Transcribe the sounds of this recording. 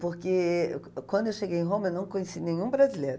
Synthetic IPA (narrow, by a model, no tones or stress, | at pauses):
poɾkɪkwɐ̃nd̪ʊewʃeɡejẽɦõmɐewnɐ̃w̃kõɲesinẽɲũbɾazilejɾʊ